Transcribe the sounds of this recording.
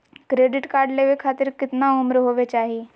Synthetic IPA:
kɾeːɖɪʈkaːɾɖleʋekʰaːt̪ɪɾkɪt̪naʊmɾɦoːʋet͡ʃaːɦieː

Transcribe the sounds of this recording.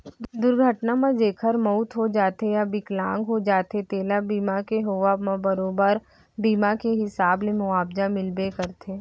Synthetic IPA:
d̪ʊɾɡʱəʈnamãd͡ʒeːkʰəɾmɔːt̪ɦod͡ʒaːt̪ejabɪklãːŋɡɦod͡ʒaːt̪et̪eːlabiːmakeɦoːʋamãbɐɾoːbəɾ | biːmakeɦɪsaːbnẽmʊaːbd͡ʒamɪlbekəɾt̪ʰeː

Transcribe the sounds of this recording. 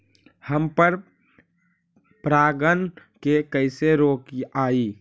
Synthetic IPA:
həmpəɾ | pɾaːɡən | kekəɪseɾoːkiaːi

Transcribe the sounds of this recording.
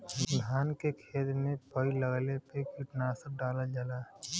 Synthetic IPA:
d̪ʱaːnkekʰeːt̪mepəiləɡlepekiʈnaːsək̚ɖaːlad͡ʒalaː

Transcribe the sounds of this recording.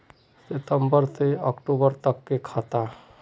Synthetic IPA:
set̪əmbəɾt̪eɔkʈobəɾt̪əkːekʰat̪a

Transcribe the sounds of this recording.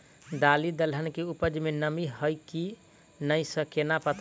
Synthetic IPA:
d̪alid̪əlɦənkeupəd͡ʒmenəmiɦəjki | nəjsə̃kenapət̪

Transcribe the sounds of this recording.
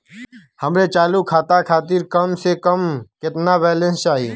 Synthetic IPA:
həmɾet͡ʃaːlukʰaːt̪akʰaːt̪iɾkəmsekəmkɪt̪nabɛːlə̃nst͡ʃaːɦiː

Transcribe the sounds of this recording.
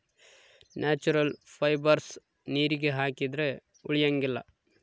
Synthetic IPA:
nʔaːt͡ʃuɾɐlpʰɐjbɐɾs | niːɾiɡe̞ɦaːkid̪ɾe̞ | uɭijɐŋɡilːɐ̰

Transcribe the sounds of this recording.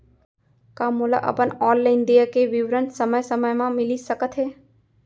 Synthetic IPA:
kamula̰ʔə̰pənɔːlːɪnd̪ijakeʋɪʋɾənt̪səməjsəməjmãmɪlisəkət̪ɦeː

